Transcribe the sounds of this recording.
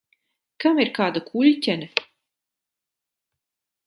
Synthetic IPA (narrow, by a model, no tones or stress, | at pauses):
kamiɾkaːd̪akʰuʎʲtʲɛnʲɛ